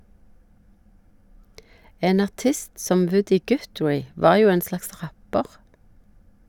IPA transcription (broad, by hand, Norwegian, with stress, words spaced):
ˈeːn ɑʁˈtɪst ˈsɔm ˈʋʉdɪ ˈɡʉtɹæɪ ˈʋɑːʁ ˈjuː ˈeːn ˈslɑks ˈʁæpəʁ